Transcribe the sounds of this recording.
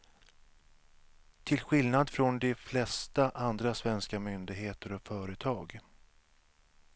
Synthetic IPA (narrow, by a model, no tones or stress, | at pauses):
t̪ʰɪlɧɪlnad̪fɾɔnd̪ɛflɛst̪aʔand̪ɾasvɛnskamʏnd̪ɪɡɦeːt̪əɾɔfœːɾət̪ʰɑːɡ